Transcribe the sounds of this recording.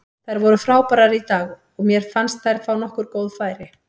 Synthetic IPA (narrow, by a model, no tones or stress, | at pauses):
θajɾvɔɾʏfɾaːwpaɾaɾit̪aːɣ | ɔɣmjɛɾ̥fanst̪θajɾfaːwnɔhkʏɾkoːwðfaːjɾɪ